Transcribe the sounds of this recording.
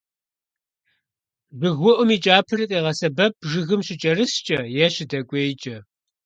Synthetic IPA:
bɨɣwɔʔʷʊmiːt͡ʃʼaːpʰɨrɨqʼeːʁɐsɐbɐp̚ʒɨɣɨmɕɪt͡ʃʼɐɾɨst͡ʃʼɐjɛɕɪdɐkʷʼeːjt͡ʃʼɐ

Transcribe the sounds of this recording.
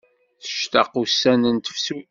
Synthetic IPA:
θə̥ʃt̪ɑ̰qusænənt̪ə̥fsu

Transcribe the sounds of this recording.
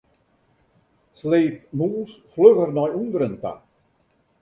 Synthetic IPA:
slejt̚muːsfløɣəɾnɔjund̪ɾənt̪a̰

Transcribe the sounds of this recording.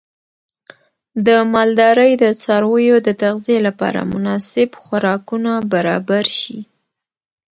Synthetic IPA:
d̪əmɑld̪ɑɾəjd̪ət͡sɑɾwəjod̪ət̪aɣzijelapɑ̰ɾa̰mʊnɑsɪbxaɾɑkunabaɾɑbaɾʃḭ

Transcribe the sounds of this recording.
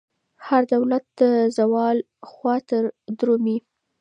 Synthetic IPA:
haɾd̪awlat̪̚d̪̥əzawɑl | xwɑt̪əɾd̪ɾomi

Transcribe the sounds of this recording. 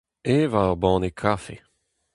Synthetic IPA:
evaʁbɑ̃ːnekʰafḛ

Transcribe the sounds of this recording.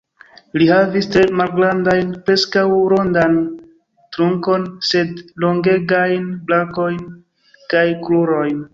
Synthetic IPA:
lihavistɾe̞malɡɾandajnpɾe̞skawɾo̞ndan | tɾuŋko̞nse̞dloŋɡe̞ɡajnblako̞jn | kajkluɾo̞jn

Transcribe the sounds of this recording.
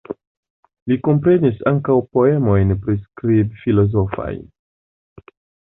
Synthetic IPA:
liko̞mpɾe̞nisaŋkawpo̞e̞mo̞jnpɾiskɾibfilo̞zo̞fa̰jn

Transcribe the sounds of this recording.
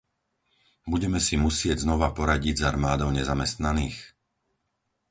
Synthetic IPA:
buɟɛmɛsimusɪɛɟznɔʋapɔɾaɟiɟzaɾmaːd̪ɔʊɲɛzamɛst̪naniːx

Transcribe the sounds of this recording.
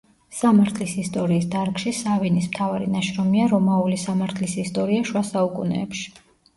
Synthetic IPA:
samaɾt̪ʰlisist̪ʼɔɾiːsd̪aɾkʃisavinismt̪ʰavaɾinaʃɾɔmiaɾɔmaulisamaɾt̪ʰlisist̪ʼɔɾiaʃwasaukʼṵnɛ̰ːpʃi̥

